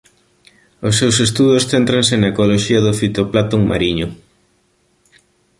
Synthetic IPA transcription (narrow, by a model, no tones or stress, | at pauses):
ʊsːewsest̪uðosθent̪ɾaŋsenaekoloʃiɐðʊfit̪oplat̪oŋma̰ɾiɲʊ